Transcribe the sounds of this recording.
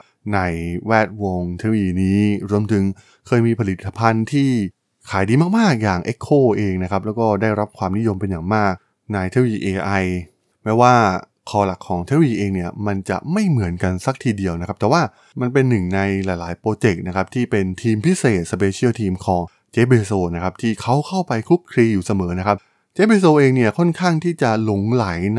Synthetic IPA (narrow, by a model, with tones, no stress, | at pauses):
na˧jwɛː˥˩t̪̚wo˧ŋt̪ʰe˦˥˧wiː˧niː˦˥ɾu˧əmt̪ʰɯ˨˩˦ŋ | kʰɤː˧jmiː˧pʰa˧li˨˩t̪ʰːa˧pʰa˧nt̪ʰiː˥˩ | kʰaː˩˦jdiː˧maː˥˩k̚maː˥˩k̚jaː˨˩ŋʔe˦˥kʰːoː˥˩ʔeː˧ŋna˦˥kʰa˦˥p̚lɛː˦˥wkɔː˥˩daː˥˩jɾa˦˥p̚kʰwaː˧mni˦˥jo˧mpe˧njaː˨˩ŋmaː˥˩k̚ | na˧jt̪ʰeː˦˥wiː˧ʔeː˧ʔa˧j | mɛː˦˥waː˥˩ | kʰɔː˧la˨˩kʰːɔː˩˦ŋt̪ʰe˦˥wiː˧ʔeː˧ŋni˥˩ɐma˧nt͡ɕa̰˨˩ma˥˩jmɯ˨˩˦ənka˧nsa˦˥k̚t̪ʰiː˧di˧əwna˦˥kʰa˦˥t̪ɛ˨˩waː˥˩ | ma˧npe˧nːɯ˨˩ŋna˧jlaː˨˩˦jlaː˩˦jpɾoː˧t͡ɕe˨˩k̚na˦˥kʰa˦˥p̚t̪ʰiː˥˩pe˧nt̪ʰiː˧mpʰi˦˥seː˨˩t̪̚sa˧p̬eː˧t͡ɕʰi˥˩wt̪ʰiː˧mkʰɔː˩˦ŋ | t͡ɕeː˦˥p̚beː˧soː˧na˦˥kʰa˦˥p̚t̪ʰiː˥˩kʰa˦˥wkʰa˥˩wpa˧jkʰɾu˦˥kʰːɾiː˧juː˨˩sa˧mɤː˩˦na˦˥kʰa˦˥p̚ | t͡ɕeː˦˥p̚beː˧soː˧ʔeː˧ŋni˥˩ɐkʰɔ˥˩nkʰaː˥˩ŋt̪ʰiː˥˩t͡ɕa˨˩lo˨˩˦ŋla˩˦jn